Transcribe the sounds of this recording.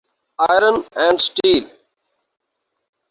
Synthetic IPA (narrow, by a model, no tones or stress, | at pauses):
aɪɾə̃nɛ̃ɳɖsʈiːl